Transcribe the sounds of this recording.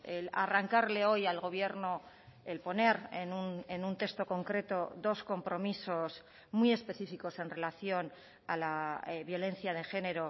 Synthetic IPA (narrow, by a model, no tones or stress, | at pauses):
ela̰raŋkaɾle̞o̞jalɣo̞β̞je̞ɾno | elpo̞ne̞ɾḛnunenunt̪e̞st̪o̞ko̞ŋkɾe̞t̪o̞ðo̞sko̞mpɾo̞miso̞s | mwie̞spe̞θifiko̞se̞nre̞laθjo̞n | alaβjo̞le̞n̟θjað̞e̞xe̞ne̞ɾo̞